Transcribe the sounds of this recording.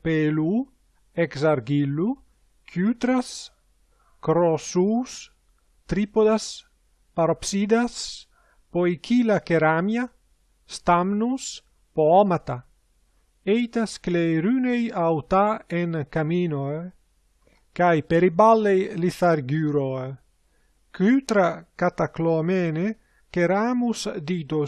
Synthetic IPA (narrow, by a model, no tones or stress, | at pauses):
pelu | eksaɾɡilːu | kʰjyt̪ɾas | kɾosus | t̪ɾipod̪as | paɾopsid̪as | poikʰilakeɾamja | st̪amnus | poɔmat̪a | ejt̪askleɾynejawt̪aeŋkaminoe | kajpeɾibalːejliθaɾɡyɾoe | kyt̪ɾakat̪aklomene | keɾamusd̪it̪o